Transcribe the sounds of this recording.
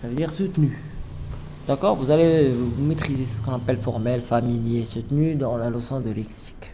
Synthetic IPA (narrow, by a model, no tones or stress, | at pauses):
savød̪iːʁsut̪ny | d̪̥akɔːʁvuzalemet̪χizesə̥kɔ̃napɛlfɔʁmɛlfamiljesut̪nyd̪ɑ̃lalɔsɔ̃d̪əlɛksi̥k